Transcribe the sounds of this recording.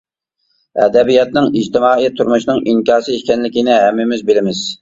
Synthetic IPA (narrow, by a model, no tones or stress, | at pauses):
ɛ̰d̪ɛbijɑt̪̚nɨŋid͡ʒt̪ɪmɑːijt̪ʰuɾmuʃnɨŋʔiŋkʲɑːsɨiʃkʲɛnlɪkʲinɪɦæmːɪmɪzbɪlɪmɪz̥